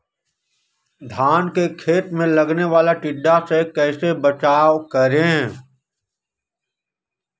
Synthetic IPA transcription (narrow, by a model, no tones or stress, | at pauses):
d̪ʱaːnkekʰeːt̪mẽlɐɡneʋaːlaʈɪɖːasekɛːsebət͡ʃaːkəɾeɦɛ̃ː